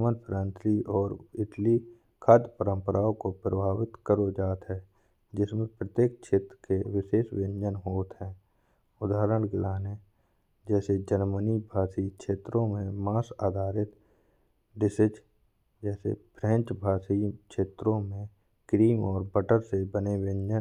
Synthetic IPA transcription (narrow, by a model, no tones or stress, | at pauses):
mənpʰɾãːnsliʔɔːɾɪʈli | kʰaːd̪pəɾə̃mpəɾʔaːõkopɾə̰bʱaːwɪt̪kəɾod͡ʒaːt̪ɦɛː | d͡ʒɪsmẽpɾət̪jeːk̚kʃʰeːt̪ɾəkeʋɪseːsʋɪ̃nd͡ʒənɦoːt̪ɦɛ̃ː | ʊd̪aːɦɾəɽ̃ɡlaːne | d͡ʒɛːsed͡ʒəɾmənibʱaːsikʃeːt̪ɾõmẽmaːsaːd̪ʱaːɾɪt̪ | ɖɪsɪd͡ʒ | d͡ʒɛːsḛpʰɾɛ̃nt͡ʃbʱaːsikʃeːt̪ɾõmẽ | kɾiːmɔːɾbəʈəɾsebəneʋɪ̃nd͡ʒən